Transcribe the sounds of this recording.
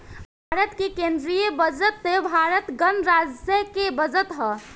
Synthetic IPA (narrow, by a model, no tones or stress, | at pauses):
bʱaɾət̪kekend̪ɾijəbəd͡ʒət̪ːebʱaɾət̪ɡənɾad͡ʒjəkebəd͡ʒət̪ɦɔ